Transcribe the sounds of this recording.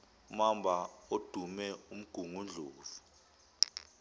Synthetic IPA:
mambʱaod̥ʱumɛum̩ɡ̥ʱuŋund͡ɮʱoːv̥u

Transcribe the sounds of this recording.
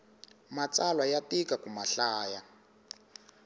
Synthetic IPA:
mat͡sʼalwajatikakumaɬaːja

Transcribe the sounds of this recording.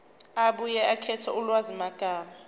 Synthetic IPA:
aɓujɛakʰɛtʰɔulwazimaɡ̥ʱaːma

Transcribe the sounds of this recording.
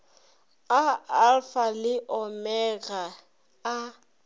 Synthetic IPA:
aalfalɪʔɔmɛɣaː

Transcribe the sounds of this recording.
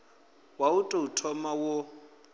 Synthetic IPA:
wautʼoutʰɔmawo

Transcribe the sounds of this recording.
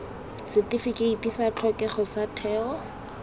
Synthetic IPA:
sɪtifikʼeitʼisat͡ɬʰɔkʼɛχɔsatʰɛːɔ

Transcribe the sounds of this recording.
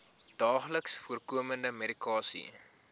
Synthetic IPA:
d̥ɑːχləksfuərkuəməndəmeɾikɑːsḭ

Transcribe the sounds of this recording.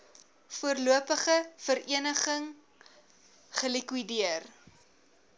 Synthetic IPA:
fuərluəpəχəfəɾiənəχəŋ | χəlikwidiər

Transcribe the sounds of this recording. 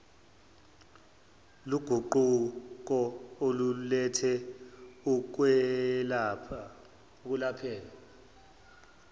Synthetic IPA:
luɡ̥ʱuǃuk̬ɔolulɛtʰɛ | uk̬wɛlapʰa | k̬ulapʰɛːla

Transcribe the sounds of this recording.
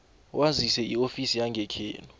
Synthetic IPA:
wʔazisɛiofisijaŋɡʱɛkʰḛːnɔ

